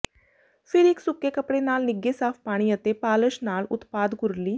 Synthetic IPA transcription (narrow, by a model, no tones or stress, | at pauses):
pʰɪɾɪksʊkːeːkəpɽeːnaːlnɪɡeːsaːpʰpaːɽ̃iət̪epaːləʃnaːlʊ̰t̪paːd̪ɡʊɾliː